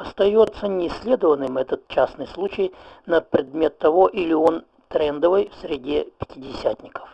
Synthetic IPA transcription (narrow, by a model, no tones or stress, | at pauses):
ɐst̪ɐjot̪sːənʲɪsʲlʲe̞d̪əvənːɨmɛt̪ət̪̚t͡ɕasnɨjslˠut͡ɕɪjnəpɾʲɪd̪mʲe̞t̪ːɐvo̞ʔilʲɪo̞n | t̪ɾɛnd̪əvɨjfsʲɾʲɪdʲepʲɪ̥tʲɪdʲɪsʲæt̪ʲnʲɪkə̥f